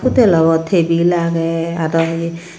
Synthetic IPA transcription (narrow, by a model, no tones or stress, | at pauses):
pʰutɛlɔbɔtʰebilaɡɛadɔɦ